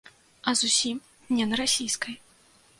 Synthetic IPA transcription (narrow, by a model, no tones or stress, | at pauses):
ɐzusʲim | nʲɛnɐɾasʲijskɐj